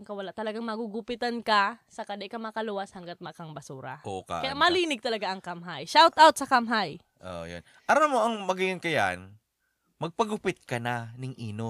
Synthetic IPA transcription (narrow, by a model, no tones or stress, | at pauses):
ŋkɐwɐlaʔt̪ɐlɐɡaŋmɐɡuɡʊpɪt̪ankɐsɐkɐd̪ɛʔkɐmɐkɐluːwɐshɐŋɡat̪̚mɐʔkɐŋbɐsuːɾɐ̰ʔoka̰kɐjamɐliːnɪɡ̚t̪ɐlɐɡaʔɐŋkamɦajʃawt̪ʔawt̪̚sɐkamɦaj | ʔo̰jo̰n | ʔɐɾamoʔɐŋmɐɡɪjɪnkɐja̰n | mɐɡ̚pɐɡʊpɪt̪̚kɐnanɪŋʔiːno